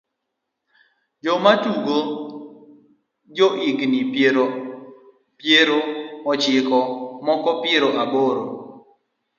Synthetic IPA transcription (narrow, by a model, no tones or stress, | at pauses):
d͡ʒɔmatuɡo | d͡ʒɔʔɪknipeɾ | pjeɾoɔt͡ʃɪkɔmɔkɔpjeɾoʔaboɾo